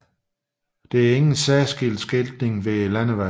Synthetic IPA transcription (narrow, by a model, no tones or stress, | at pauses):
d̥e̝æɐe̝ŋn̩sæːsɡ̥el̰d̥sɡ̥eld̥ne̝ŋʋelænəʋæ